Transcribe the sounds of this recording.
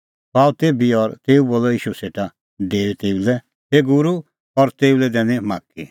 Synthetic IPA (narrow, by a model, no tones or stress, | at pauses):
paːut̪ebiɔɾt̪eːuboːlɔiːʃuseʈa | deːʋit̪eːulɛ | heɡʊɾu | ɔɾt̪eːulɛd̪ɛːnĩma̰ːkḭ